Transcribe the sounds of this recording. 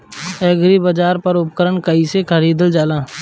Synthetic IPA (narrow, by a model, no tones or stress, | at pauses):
ɛːɡɾibəd͡ʒaːɾpɐɾʊp̚kəɾəɳkəisekʰəɾiːd̪əld͡ʒaːlaː